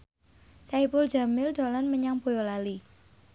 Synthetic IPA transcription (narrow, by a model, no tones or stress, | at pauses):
saipʊld͡ʒa̤mɪld̪̥ɔlɔnməɲaŋb̥o̤jolali